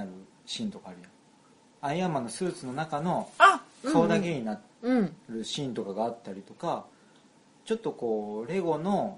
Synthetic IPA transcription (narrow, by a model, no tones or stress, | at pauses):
aɾɯ̟ | ɕĩnt̪o̞kaːɾɯ̟jã | aiamano̞sɨːt͡sɨno̞nakano̞soːd̪ake̞ɲ̟ina | ɾɯ̟ɕĩnt̪o̞kaɡaːt̪ːaɾʲit̪o̞ka | t͡ɕo̞t̪ːo̞ko̞ːɾe̞ɡo̞no̞